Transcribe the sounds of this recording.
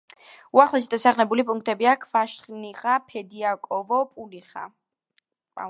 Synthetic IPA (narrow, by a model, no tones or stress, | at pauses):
uaχlˠɛs̬id̪asaχnɛbulipʼuŋk̚ʰt̪ʼɛbiakʰvaʃχniʁapʰɛd̪iakʼɔvɔpʼuliχa̰ | a̰